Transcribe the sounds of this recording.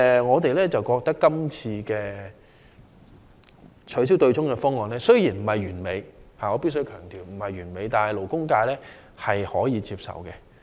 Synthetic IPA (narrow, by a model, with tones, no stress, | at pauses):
ŋɔː˨˧t̪e˨jlɛː˥t͡sɐ˨wkɔː˧k̚t̪ɐ˥kːɐ˥mt͡sʰiː˧kɛː˧ | t͡ʃʰɵ˨˥s̬i˥wt̪ɵ˧ɥt͡sʊ˥ŋkɛː˧fɔː˥ŋɔː˨˩nlɛː˥sɵ˥ɥjiː˨˩nm̩˨˩hɐ˨˩jyː˨˩nme˨˧jhaː˨ŋɔː˨˧pi˥ts̬ɵ˥ɥkʰœː˨˩ŋt̪iː˨˩wm̩˨˩hɐ˨jɥyː˨˩nme˨˧jt̪aː˨nhɐ˨˩jlo˨˩wkʊ˥ŋkaː˧jlɛː˥ | hɐ˨jhɔː˨˥jiː˨˧t͡siː˧p̚sɐ̰˨˩wkɛ˧